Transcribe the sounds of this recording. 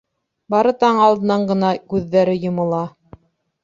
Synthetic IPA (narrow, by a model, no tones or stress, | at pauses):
bɑɾɤt̪ɑɴɑlˠd̪ɤ̆nɑɴɢɤ̆nɑkʉðːæɾɘjŏmɤ̆lˠɑ